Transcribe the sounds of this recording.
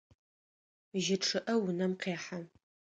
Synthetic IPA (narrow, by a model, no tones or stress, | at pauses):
ʒɪʈ͡ʂʰɨʔɐwʊnɐmqeːħa